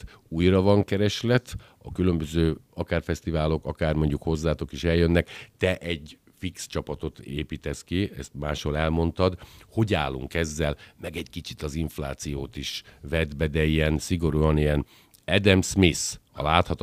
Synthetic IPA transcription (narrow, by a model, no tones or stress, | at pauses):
uːjrɒvɒŋkɛɾɛʃlɛt̪ | ɒkylømbøzøːɒkaːrfɛst̪ivaːlo̞kɒkaːrmo̞ɲɟukho̞zːaːt̪o̞kiʃɛljønːɛkt̪ɛʔɛɟ | fikst͡ʃɒpɒt̪o̞t̪eːpiːt̪ɛskiɛ̰st̪maːʃholɛlmo̞nt̪ɒd̪ho̞ɟaːlːṵŋkɛzːɛlmɛɡɛɟkit͡ʃi̥t̪ɒziɱflaːt̪sijoːt̪iʃvɛd̪bɛd̪ɛijɛnsiɡo̞ɾuɒnijɛn | ɛd̪ɛmsmisɒ̰laːt̪hɒt̪